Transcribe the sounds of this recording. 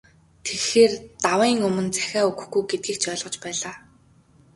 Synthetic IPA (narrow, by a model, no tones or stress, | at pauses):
t̪ʰexeːrt̪awiːŋɵmɵ̆nt͡sæ̥xʲæːɵɣɵ̆xɡujɡet̪̚ɡiːk̚t͡ɕœːɮʁɞ̆t͡ɕpæːɮaː